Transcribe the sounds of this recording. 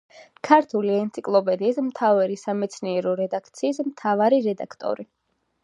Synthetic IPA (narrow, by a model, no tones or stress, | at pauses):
kʰaɾt̪ʰuliɛnt̪sʰikʼlˠɔpʼɛd̪iːsmt̪ʰavɛɾisamɛt̪sʰniɛɾɔɾɛd̪akʰt̪sʰiːsmt̪ʰavaɾiɾɛd̪a̰kʰt̪ʼɔ̰ɾi